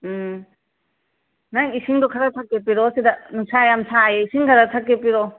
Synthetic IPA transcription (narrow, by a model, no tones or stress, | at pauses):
naŋisiŋdɔkʰaɾatʰakːepiɾɔsidanusajamsajeisiŋkʰaɾatʰakːepiɾɔ